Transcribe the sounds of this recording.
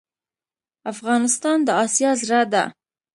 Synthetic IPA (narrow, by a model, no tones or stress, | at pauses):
afɣɑnɪst̪ɑnd̪əɑsjɑzɾad̪a̰